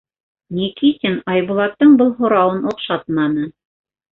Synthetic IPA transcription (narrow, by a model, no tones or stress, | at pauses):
nʲikit̪ʲɘnɑjβulˠɑt̪ːɤɴbɤlˠɦŏɾɑwɤnŏqʃɑt̪̚mɑnɤ